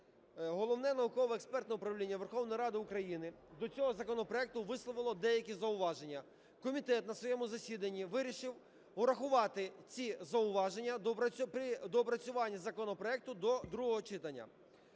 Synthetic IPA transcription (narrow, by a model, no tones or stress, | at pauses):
ɦɔlˠɔwnɛnɐʊkɔʋɔɛkspɛrt̪nɛʊpɾɐʋlʲinʲːɐʋerxɔwnɔjiɾɑd̪ɪʊkɾɐjinɪ | d̪ɔt͡sʲɔɦɔzɐkɔnɔpɾɔɛk̚t̪ʊʋɪslˠɔʋɪlˠɔd̪ɛjɐkʲizɐʊʋɑʒe̞nʲːɐ | kɔmʲit̪ɛt̪̚nɐsʋɔjɛmʊzɐsʲid̪ɐnʲːiʋɪɾʲiʃɪw | ʊɾɐxʊʋɑt̪ɪt͡sʲizɐʊʋɑʒenʲːɐd̪ɔpɐpɾʲɪd̪ɔpɾɐt͡sʲʊʋɑnʲːɐzɐkɔnɔpɾɔɛk̚t̪ʊd̪ɔd̪ɾuɦɔɦɔt͡ʃɪt̪ɐnʲːɐ̰